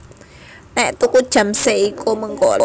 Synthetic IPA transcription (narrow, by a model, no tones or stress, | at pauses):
nɛʔt̪ukud̥ʒ̥a̤mseikʰoməŋko